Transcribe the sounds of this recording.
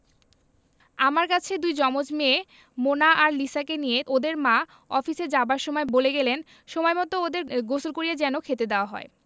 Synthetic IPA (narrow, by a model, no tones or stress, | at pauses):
amaɾkat͡ɕʰed̪ujd͡ʑɔmod͡ʑme | monaʔaɾlisakenijeʔod̪eɾmã | ɔfised͡ʑabaɾʃɔmɔeboleɡɛlen | ʃomɔemɔt̪ood̪eɾɡosolkoɾijad͡ʑɛnokʰet̪ed̪eoaɦɔ̰e